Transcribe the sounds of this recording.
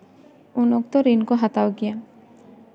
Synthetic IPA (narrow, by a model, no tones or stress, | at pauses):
unok̚t̪ɔɾinkɔɦat̪awɡia